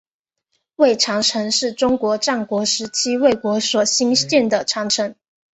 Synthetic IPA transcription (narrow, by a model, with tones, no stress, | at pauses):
we˥˩ɪʈ͡ʂʰɑ˧˥ŋʈ͡ʂʰɤ˧˥ŋʂɻ̩˥˩ʈ͡ʂʊ˥ŋkwɔ˧˥ʈ͡ʂa˥˩ŋkwɔ˧˥ʂɻ̩˧˥t͡ɕʰi˥we˥˩ɪkwɔ˧˥swɔ˨˩ɕi˥ŋt͡ɕjɛ˥˩nd̪ə˩ʈ͡ʂʰɑ˧˥ŋʈ͡ʂʰɤ˧˥ŋ